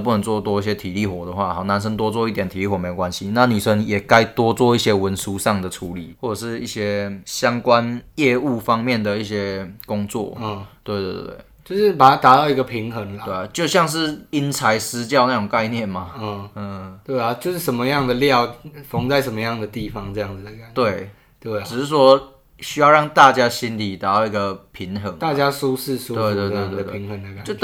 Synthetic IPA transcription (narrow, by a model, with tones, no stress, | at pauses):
p̬u˥˩nə˧˦ŋt͡swɔ˥˧t̪wɔ˥˧i˥˩ɕ̬jɛ˥t̪ʰi˨˩li˥˩xwɔ˨˩d̪ə˩xwa˥˩xa˨˩ʊna˧˦nʂ̬ə˥˦ŋt̪wɔ˥t͡swɔ˥˧i˥t̪jɛ˨˩nt̪ʰi˨li˥˩xwɔ˨˩me˧˥˨kwa˦nɕi˦na˥˩ny˨˩ʂə˦˥njɛ˨˩ka˦˥ɪt̪wɔ˥t͡swɔ˥˧i˥˩ɕjɛ˦˥wə˧˦nsu˦ʂɑ˥˩ŋd̪ə˩ʈ͡ʂʰu˧˥li˨˩˦xwɔ˥˩ʈ͡ʂɤ˨˩ʂɻ̩˥˧i˥˩ɕjɛ˥ɕjɑ˥ŋkwa˦njɛ˥˧u˥˩fɑ˦˥ŋmjɛ˥˩nd̪ə˩i˥˩ɕjɛ˦kʊ˥ŋt͡swɔ̰˥˩˥t̪we˥˧ɪt̪we˥˩˥t̪wḛ˥˩ɪt͡ɕo˥˧ʊʂɻ̩˥pa˨˩a˨˥t̪a˨˦t̪ɑ˥˩ʊi˧˥ɡə˧pʰi˧˥ŋxə˨˦ŋt̪we˥˩˨t͡ɕjo˥˧ʊɕjɑ˥˧ŋʂ̬ɻ̩˥˩i˦˥nt͡sʰa˧˦ɪsɹ̩˦t͡ɕjɑ˥˧ʊna˥˩ʈ͡ʂʊ˨˩ŋka˥˧ɪnjɛ˥˩nma˨˩ɔ˨˩˥t̪we˥˩ɪa˨˩t͡ɕjo˥˧ʊʂɻ̩˥˩ʂə˨˩˦nmə˧jɑ˥˩ŋd̪ə˩ljɑ˥˨ʊfɑ˧˥ŋt͡sa˥˩ɪʂə˨˩mə˧˦jɑ˥˩ŋd̪ə˩t̪i˥˨˩fɑ˧˦ŋt͡sɤ˥˧jɑ˥˩ŋd͡z̩˨˩d̪ə˨˩ka˨˩nt̪we˥˩ɪ | t̪we˥˩ɪʈ͡ʂɻ̩˨˩ʂɻ̩˥˩ʂwɔ˦˥ | ɕy˥jɑ˥˧ʊɻɑ˥˩ŋt̪a˥˨˩t͡ɕja˥ɕi˦nli˨˩t̪a˨˦t̪ɑ˥˩ʊi˧˥ɡə˨pʰi˨˧˥ŋxə˧˦ŋt̪a˥˩t͡ɕja˦˥su˥˦s̩˥˨su˦t̪we˥˧ɪt̪we˥˧we˥˧t̪wə˧pei˨˦ŋhə˨˧˩ŋd̪ə˨˩ka˨t͡ɕ